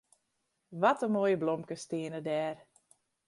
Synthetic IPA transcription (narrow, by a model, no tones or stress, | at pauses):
ʋɔtəmoːjəblomkəstɪənədɛːr